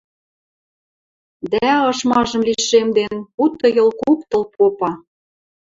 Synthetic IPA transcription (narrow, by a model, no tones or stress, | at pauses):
d̪æɤ̆ʃmɑʒɤ̆mlʲiʃemd̪enut̪ːɤ̆jɤ̆lkukt̪ɤ̆lpʰopɑ